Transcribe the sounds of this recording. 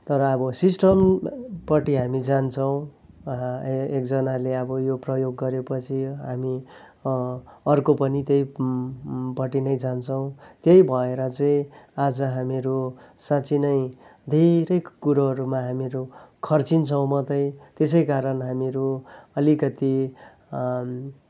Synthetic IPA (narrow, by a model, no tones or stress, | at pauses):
t̪ʌɾʌːbʌsisʈʌmpʌʈiɦamid͡zant͡sʰʌw̃ | ek̚d͡zʌnaleʌbʌjoprʌjoɡːʌɾepʌt͡sʰiɦami | ʌrkopʌnit̪jej | pʌʈinʌjd͡zant͡sʰʌw̃t̪jejbʱʌeɾʌt͡sʌĩad͡zʌɦamiɾusat͡sʰinʌjd̪ʱeɾʌjkuɾaɦʌɾumaɦamiɾukʰʌrt͡sint͡sʰʌw̃mʌt̪ʌj̃t̪es̬ʌjkaɾʌnɦamiɾuʌlikʌt̪i